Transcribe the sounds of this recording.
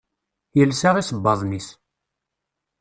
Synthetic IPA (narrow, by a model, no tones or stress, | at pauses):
jəlsaʁisəbːɑðˤnis